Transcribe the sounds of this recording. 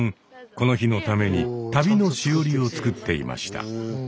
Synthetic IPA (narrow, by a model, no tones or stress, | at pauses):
ŋ | ko̞noçino̞t̪ame̞ɲ̟it̪abʲino̞ɕioɾʲio̞t͡sɨ̥kɯt̪ːe̞ḭma̰ɕi̥t̪a̰